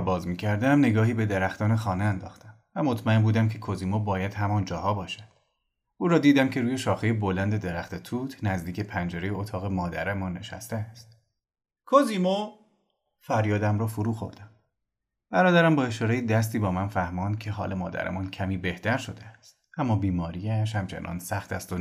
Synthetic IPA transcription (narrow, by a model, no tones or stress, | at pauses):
bɒːzmiːcʰæɾd̪æmne̞ɡɒːɦiːbe̞d̪e̞ɾæxt̪ɒːne̞xɒːneænd̪ɒ̰ːxt̪æmvæmot̪ʰmæembuːd̪æmkcʰe̞kʰoziːmobɒːjæd̪̥ɦæmɒːnd͡ʒɒːhɒːbɒːʃæd̪̥ | uːɾɒːd̪iːd̪æmcʰe̞ɾuːje̞ʃɒːxejebolænd̪e̞d̪e̞ɾæxt̪e̞t̪ʰuːt̪ʰnæzd̪iːcʰe̞pʰænd͡ʒeɾejeot̪ʰɒːɣe̞mɒːd̪æ̰ɾemɒːnːe̞̰ʃæ̰st̪eæst̪̚ | kʰoziːmo | fæɾjɒːd̪æmɾɒːfoɾuːxo̞̰ɾd̪æm | b̥æɾɒːd̪æɾæmbɒːe̞ʃɒːɾejed̪æs̬t̪iːbɒːmænfæhmɒːnd̪̥̚cʰe̞ɦɒ̰ːle̞mɒ̰ːd̪æ̰ɾḛmɒːncʰæmiːbe̞ht̪ʰæɾʃo̞d̪eæst̪̚ | ʔæmːɒːbiːmɒːɾiːæʃ̬hæmt͡ʃʰe̞̰nʔɒ̰ːnsæxt̪æst̪o